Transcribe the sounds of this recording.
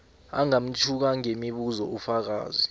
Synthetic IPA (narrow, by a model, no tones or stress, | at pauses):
aŋam̩t͡ʃʰuk̬aŋemiɓuzɔufak̬a̰ːzi